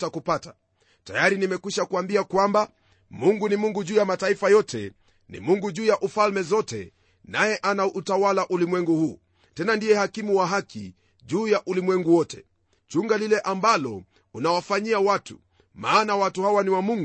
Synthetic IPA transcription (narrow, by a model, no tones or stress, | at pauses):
takupata | tajaɾinimɛkwiʃakuambiakwamba | muŋɡunimuŋɡuʄuːjamataifajɔtɛ̰ | nḭmuŋɡuʄuːjaʔufalmɛzɔtɛ̰ | najɛʔanaʔutawalaʔulimwɛŋɡuhuː | tɛnandijɛhakimuwaɦakḭ | ʄuːjaʔulimwɛŋɡuwɔtɛ | t͡ʃuŋɡalilɛʔambalɔ | unawafaɲiawatu | maːnawatuhawaniwamuŋɡu